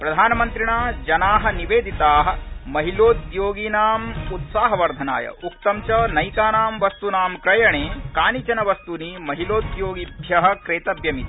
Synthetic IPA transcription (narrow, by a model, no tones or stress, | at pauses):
pɾɐd̪ʱaːnɐmɐnt̪ɾiɳaːd͡ʒɐnaːɦɐ̆niʋeːd̪ʱit̪aːɦɐ̆mɐɦiloːt̪joːɡiːnaːmut̪saːɦɐʋɐɾd̪ʱɐna̰ːjɐ̰ukt̪ɐmt͡ʃɐnɐjkaːnaːmʋɐst̪unaːmkɾɐjɐɳeːkaːnit͡ʃɐnɐʋɐst̪unimɐɦiloːt̪joːɡid̪ʱjɐɦɐ̆kɾeːt̪ɐbjɐmit̪i